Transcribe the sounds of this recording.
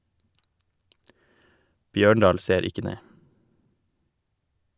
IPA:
ˈbjøːɳɖɑːl ˈseːɾ ˈɪkə ˈneː

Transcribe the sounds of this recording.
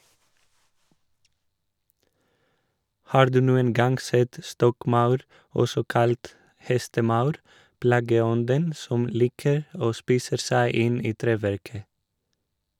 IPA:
ˈhɑːɾ ˈdʉː ˈnuːən ˈɡɑŋɡ ˈsɛt ˈstɔkˌmɑʉɾ ˈɔsɔ ˈkɑlt ˈhɛstəˌmɑʉɾ ˈplɑːɡəˌɔndən ˈsɔm ˈliːkəɾ ˈoː ˈspiːsə ˈsæɪ ˈɪn ˈiː ˈtɾeːˌʋæɾkə

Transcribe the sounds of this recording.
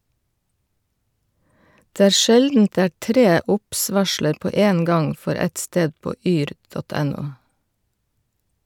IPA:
ˈdeː ˈæːɾ ˈʃɛldn̩t ˈdeː ˈæː ˈtɾeː ˈʊps ˈʋɑʃləɾ ˈpoː ˈeːn ˈɡɑŋ ˈfɔɾ ˈɛt ˈsteːd ˈpoː ˈyːɾ ˈdɔt ˈɛˌnuː

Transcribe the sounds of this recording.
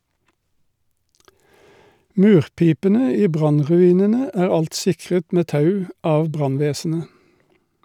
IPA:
ˈmʉːʁˌpiːpənə ˈiː ˈbʁɑnʁʉˌiːnənə ˈæːʁ ˈɑlt ˈsɪkʁət ˈmeː ˈtɑʉ ˈɑːʋ ˈbʁɑnˌʋeːsn̩ə

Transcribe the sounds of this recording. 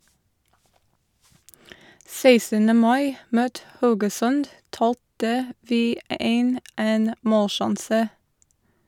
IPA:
ˈseɪsənə ˈmɑɪ ˈmøːt ˈhɑʉɡəˌsœnd ˈtɑːltə ˈʋiː ˈeːn ˈeːn ˈmoːlˌʃɑnsə

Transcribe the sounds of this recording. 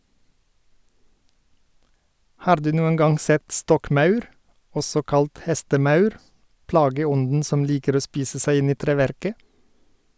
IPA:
ˈhɑːɾ ˈdʉː ˈnuːən ˈɡɑŋ ˈsɛt ˈstɔkˌmɑʉɾ ˈɔsɔ ˈkɑlt ˈhɛstəˌmɑʉɾ ˈplɑːɡəˌɔndn̩ ˈsɔm ˈliːkəɾ ˈoː ˈspiːsə ˈsæɪ ˈɪn ˈiː ˈtɾeːˌʋæɾkə

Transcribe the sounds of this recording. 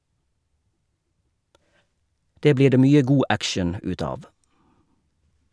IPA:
ˈdeː ˈbliː ˈdeː ˈmyːə ˈɡuː ˈʔækʃəɳ̩ ˈʉːt ˈɑːʋ

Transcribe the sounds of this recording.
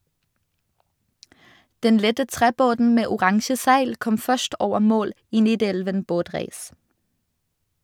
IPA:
ˈdɛn ˈlɛtə ˈtʁeːˌboːdn̩ ˈmeː ʊˈʁɑŋʃə ˈsæɪl ˈkɔm ˈfœʃʈ ˈoːʋə ˈmoːl ˈiː ˈniːˌdɛlʋən ˈboːˌtʁeːs

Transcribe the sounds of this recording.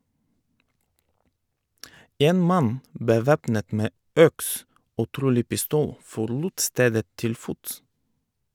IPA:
ˈeːn ˈmɑn bəˈʋeːpnət ˈmeː ˈœks ˈoː ˈtɾuːlɪ pɪˈstuːl fɔɾˈluːt ˈsteːdə ˈtɪl ˈfʊts

